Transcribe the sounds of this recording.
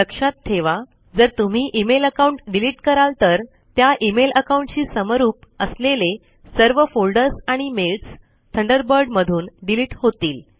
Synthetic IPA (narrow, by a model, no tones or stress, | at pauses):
ləkʂat̪t̪ʰːeʋa | d͡zəɾt̪um̤iːʔimeləkauɳʈɖiliʈkəɾalt̪əɾ | t̪jaʔimelʔəkauɳʈt͡ɕiːsəmaɾuːp̚əslele | səɾʋəfolɖəɾsaɽ̃imelʈs | t̪ʰəɳɖəɾbəɾɖməd̪ʱuːnɖiliʈhot̪iːl